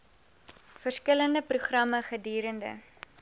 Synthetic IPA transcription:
fərskələndəpruχrɐməχədyːɾəndə̰

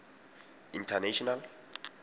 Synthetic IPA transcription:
intʰanɛʃɔnal

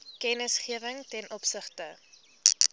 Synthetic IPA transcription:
kɛnəsχiəvəŋtɛnʔɔpsəχtə

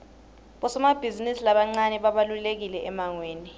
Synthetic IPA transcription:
ɓɔsɔmab̥ʱizinisilaɓaŋ͡ǀanɛɓaɓalulek̬ilɛʔɛmaŋweːni

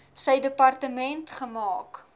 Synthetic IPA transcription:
səjdəpɐrtəmɛntχəmɑːk

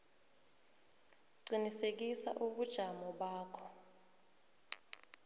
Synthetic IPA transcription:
ǀinisek̬isa̰ʔuɓud̥ʒ̥ʱamɔɓaːkʰɔ̥

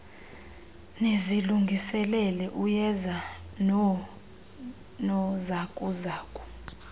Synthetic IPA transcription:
neziluŋɡʱisɛlɛlɛʔujɛza | nɔzakʼuzaːkʼɔ̥

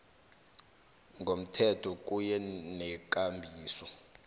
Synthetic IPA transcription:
ŋɡʱom̩tʰɛtʰɔk̬ʼujɛnɛk̬ʼambʱiːsɔ

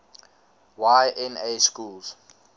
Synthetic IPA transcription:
wajʔɛ̃neskulz̥

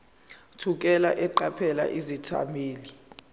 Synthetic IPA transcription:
tʰuk̬ʼɛlaʔɛǃapʰɛla̰ʔizitʰa̰miːli

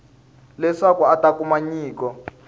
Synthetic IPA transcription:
lɛʂakuatakumaɲiːkɔ

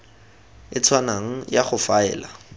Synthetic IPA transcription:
ɪt͡sʰwanaŋ̩jaχʊfaɛ̰ːla

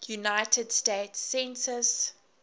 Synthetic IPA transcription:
junaɪtʰəd̥steɪtsːɛ̃nsəs

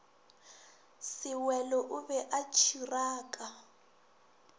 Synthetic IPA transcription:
sɪwɛlɔʔuβɛʔat͡ʃʰiraːkʼa

